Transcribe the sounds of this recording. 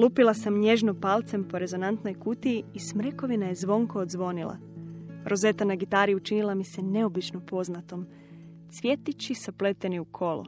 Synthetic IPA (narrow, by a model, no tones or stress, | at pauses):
lupilˠasamɲe̞ʒno̞palˠt̪se̞mpo̞ɾe̞zo̞nant̪no̞jkut̪iːsmɾeko̞ʋinaje̞zʋo̞ŋko̞ːd̪zʋo̞nilˠa̰ɾʔo̞ze̞t̪anaɡit̪aɾijut͡ʃinilˠamise̞ne̞o̞bit͡ʃno̞po̞znat̪o̞m | t̪sʋje̞t̪it͡ɕisaple̞t̪e̞niukʰo̞lṵ